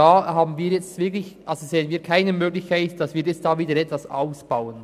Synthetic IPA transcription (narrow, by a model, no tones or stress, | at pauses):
aːhaːbn̩viːɾjɛt͡stvɪɐklɪçʔalzozeːənviːɐkʰaɪnəmøːɡlɪçkʰaɪtd̥ɑsviːɾjɛstd̥aːviːdəɾɛtvasa̰ʊsb̥aʊən